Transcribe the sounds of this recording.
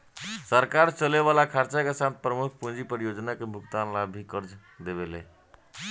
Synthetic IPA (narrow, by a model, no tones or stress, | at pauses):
səɾkaɾt͡ʃəleβalakʰaɾt͡ʃakesat̪̚pɾəmukʰpud͡ʒipəɾijod͡ʒnakebʱukt̪anlabʱikəɾd͡ʒ | d̪eβele